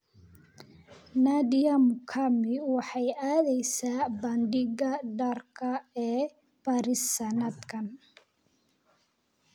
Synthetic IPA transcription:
nadɪjɐmʊkʰamɪwɑħɑjaːðɛjsaːbɐnɖɪɣɐɖɐrkʰɐɛː | b̥ɐɾɪsɐnɐd̪kʰɐn

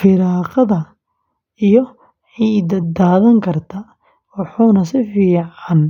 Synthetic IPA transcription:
fɪɾaːqɐðɐ | ijɔ | ħiːd̪ɐd̪aːðɐŋkʰɐrt̪ʰɐ | wɑħuːnɐsɪfiːʕan

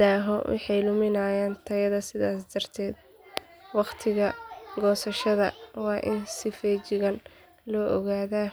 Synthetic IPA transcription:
d̪aːɦɔ̰wʔɑ̰ħɑjlʊmɪnaːjaːnt̪ʰɐjɐðɐsɪðaːsd̪ɐrt̪ʰɛːd̪̚ | wɑqt̪ʰɪɣɐɡɔːsɐʃɐðɐwɑːʔɪnsɪfɛːt͡ʃɪɣɐn | lɔːʔɔɣaːðaː

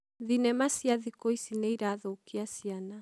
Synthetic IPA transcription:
ðinɛmasiaðikoisinɛiɾaːðoukiasiana

